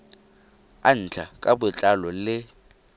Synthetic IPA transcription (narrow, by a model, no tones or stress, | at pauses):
an̩t͡ɬʰa̰kʼabʊt͡ɬʼalɔlɪ